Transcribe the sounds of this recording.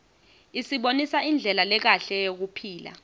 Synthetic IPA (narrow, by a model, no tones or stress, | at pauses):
isiɓonisaind͡ɮʱɛlalɛk̬aɬɛjok̬upʰiːla̰